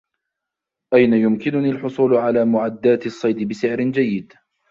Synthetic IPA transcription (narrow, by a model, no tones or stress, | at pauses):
ʔajnajʊmkɪnʊniːlħʊsˤuːlʊʕalaːmʊʕad̪ːaːt̪ɑsˤːɑjd̪ɪbɪsɪʕɾɪnd͡ʒajːɪd̪